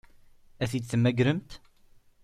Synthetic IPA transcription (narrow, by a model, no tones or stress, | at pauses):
æθid̪θəmːæɡɾəmt̪